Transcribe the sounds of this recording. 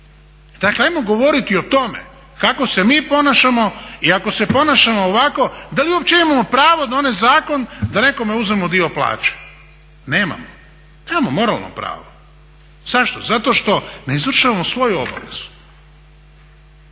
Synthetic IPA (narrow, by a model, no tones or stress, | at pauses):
d̪̥akleajmoɡo̞ʋo̞ɾit̪iot̪o̞me̞̰ | kako̞se̞miːpo̞naʃamo̞iako̞se̞po̞naʃamoːʋako̞d̪aliuopt͡ɕeimamopɾaːʋod̪aonezaːko̞nd̪ane̞ko̞meuzemod̪io̞plˠa̰ːt͡ʃe̥ | ne̞ːma̰mo | neːmamomo̞ɾa̰lˠno̰pɾa̰ːʋo | z̥aʃt̪ozat̪o̞ʃt̪o̞neizʋr̩ʃaʋamosʋo̞juo̞ba̰ʋe̞̰z̥u